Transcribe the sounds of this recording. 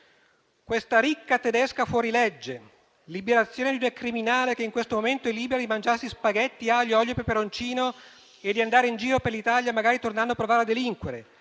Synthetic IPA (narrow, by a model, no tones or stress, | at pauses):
kwest̪aɾikːat̪ed̪eskafwɔːɾiled͡ʒːe | libeɾat̪sːjoːned̪iunakɾiminaːlekeiŋkwest̪omoment̪oɛlːiːbeɾad̪imand͡ʒarsispaɡet̪ːiaʎːɔʎːopepeɾont͡ʃiːno | ed̪ːiand̪aːɾeind͡ʒiːɾoperlit̪aljamaɡaːɾit̪ornanːoapːɾovaːɾead̪ːeliŋkweɾe